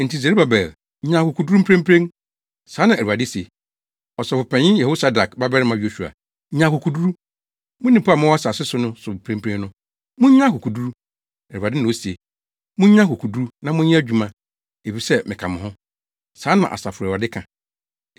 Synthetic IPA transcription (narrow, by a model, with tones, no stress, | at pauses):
n̩˨ti˨s̬e˨ɾi˦ba˨bɛ˨l̩˦ | ɲã˨˦˨kʊ˨kʰu˨du˦ɾu˦pʰɾẽ˦m̩˦pʰɾẽ˦n | saː˦nã˨æ˨u˨a˨dɪ˦si˨e˨ | ɔ˨sɛ˨fʊ˨pʰɛ̃˨ɲɪ̃˦jɛ˨ho˦sa˨da˨kba˦bɛ˦ɾmã˨ɥi˦o˦˨ɕᶣu˨a̰˨˦ | ɲã˨kʊ˨kʰu˨du˦ɾu˦ | mʊ̃˦nĩ˨pa˦˨mʊ̃˦wa˦sa˨sɪ˦sʊ˦nʊ̃˦sʊ˨pʰɾẽ˦mpʰɾẽ˦nnʊ̃˦ | mʊ̃˦ɲ˦ã˦kʊ˨ku˨du˦ɾu˦ | æ˨a˨dɪ˦nã˨o˦si˨e˨ | mʊ̃˦ɲ˦ã˦kʊ˨kʰu˨du˦u˦nã˨mʊ̃˦ɲĩ˦æ˦d͡ʑᶣu˨mã˦ | e˨fi˨sɛ˦mɪ̃˨kʰã˨mɪ̃˨hʊ̃˦ | sãː˨˦nã̰˨ʔa̰˨sa˨fʊ˨a˨dɪ˦kʰã˨